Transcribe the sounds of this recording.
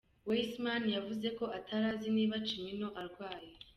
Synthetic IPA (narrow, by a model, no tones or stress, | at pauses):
weismanjavuze̞ko̞ʔatʰaɾaːziniːβat͡ʃimino̞ʔaɾɡwaːje